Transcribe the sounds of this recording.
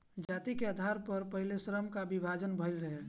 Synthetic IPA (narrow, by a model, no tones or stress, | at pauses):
d͡ʒat̪ikeəd̪ʱaɾpəɾpəɦilesɾəmkabibʱad͡ʒənbʱəjlɾəɦɛ